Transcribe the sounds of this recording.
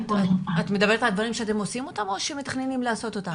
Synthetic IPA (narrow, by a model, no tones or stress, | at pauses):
at̪me̞d̪ɐbe̞etald̪vaʁimʃeat̬e̞mosimo̞tamo̞ʃeme̞taχne̞nimlaaːso̞t̪o̞t̪a